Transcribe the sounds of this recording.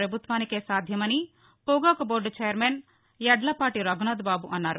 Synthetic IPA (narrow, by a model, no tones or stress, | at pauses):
ɾɐbʱut̪ʋaːnikeːsaːd̪ʱjɐmɐni | puɡaːkɐboːɾɖt͡ʃejɐɾmeːn | jɐɖlɐpaːʈiɾɐɡnaːd̪baːbuʔɐnːaːɾu